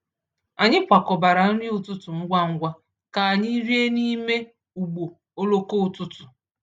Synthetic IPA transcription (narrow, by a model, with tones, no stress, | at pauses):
a˨ɲɪ˦kʷa˨kɔ˨ba˨ɾa˨n̩˦ɾɪ˦ʊ˨tʊ˦tʊ˨ŋ̩˦ɡʷa˦ŋ̩˦ɡʷa˦ | ka˨a˨ɲɪ˦ɾi˦e˦ni˦me˦ | u˨ɡ͡bo˨ | o˦lo˦ko˦u˨tʊ˦tʊ˨